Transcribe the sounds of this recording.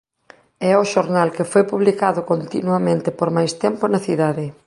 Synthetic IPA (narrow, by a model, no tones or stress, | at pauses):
ɛʊʃoɾnalkɪfojpuβlikaðʊkont̪ḭnuɐmẽnt̪ɪpoɾmajst̪ɛmpʊnɐθiðaðɪ